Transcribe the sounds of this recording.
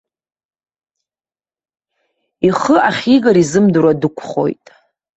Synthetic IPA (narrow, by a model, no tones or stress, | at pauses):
iχəʔaχʲiɡaɾizɨmduɾadɨkʷʰχo̞̰jtʼ